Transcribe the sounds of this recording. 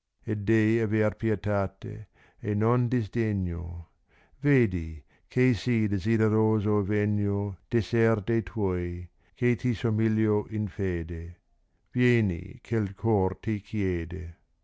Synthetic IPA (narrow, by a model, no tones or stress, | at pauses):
ed̪ejaverpjet̪aːt̪ḛ | enond̪izd̪eɲːo̰ | veːd̪i | kʰejsid̪ezideɾoːzoveɲːod̪̥eserd̪ejt̪ʰɔj | kʰet̪isomiljoʔinfeːd̪e | vjeːnḭkʰelkʰɔrt̪ikʰjeːd̪e